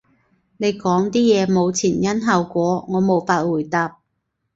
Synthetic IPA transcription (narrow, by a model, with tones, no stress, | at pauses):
ne˨˧jkɔː˨˥ŋt̪iː˥jɛː˨˧mo˨˧wt͡sʰiː˨˩njɐ˥nɦɐ˨˧wkʷɔː˨˥ŋɔː˨˧mo˨˧wfaː˧t̚wuː˨˩jt̪aː˧p̚